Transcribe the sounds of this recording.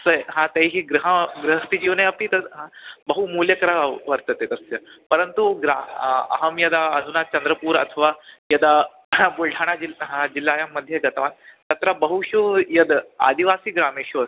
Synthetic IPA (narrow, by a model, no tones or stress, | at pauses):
ɐsəɦãt̪eɦiːɡɾəɦəɡɾəɦəst̪id͡ʑiʋnaɐpiːt̪əɦãbəɦumuljəkɐɾaʋəɾt̪ət̪et̪ɐsjəpəɾənt̪uɡɾaɐ̰ɦəmjɐd̪aəd̪ʱunat͡ɕɐnd̪ɾəpuːɾɐ̰t̪ʰəʋajəd̪a | bulʈʰaɽ̃ad͡ʑilɦãd͡ʑilːaːjamːəd̪ʱːjeɡɐt̪ʋant̪ɐt̪ɾabəɦuɕujəd̪a̰d̪iʋasiːɡɾameɕuəs